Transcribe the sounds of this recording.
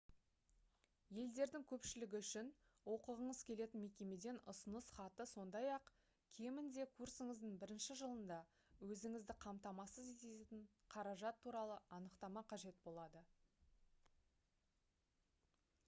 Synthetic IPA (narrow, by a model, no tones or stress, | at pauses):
je̞ld̪e̞ɾd̪ɪŋkʲʰɵpʃɪlɪɡʲɪʏʃɪnwo̞qəʁəɴəz̥kʲʰe̞le̞t̪ɪnme̞kʲe̞me̞d̪e̞nʊsənəsχɑt̪əso̞nd̪ɑjɑq | kʲʰe̞mɪnd̪e̞kʰursəɴəzd̪əɴbɪɾɪnʃɪʒəlˠənd̪ɑ | wɵzɪŋɪzd̪ɪqʰɑmt̪ɑmɑsəzet̪eɪɴqʰɑɾɑʒɑt̪ʰːuɾɑlˠəʔɑnəqt̪ɑmɑqʰɑʒe̞t̪̚bo̞lˠɑd̪ə